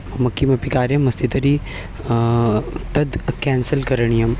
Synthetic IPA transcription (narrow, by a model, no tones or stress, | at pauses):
mɐkːimɐpikaːɾjɐmɐst̪it̪ɐɾi | t̪ɐd̪kɛːnsəlkɐɾɐɳ̃ijɐm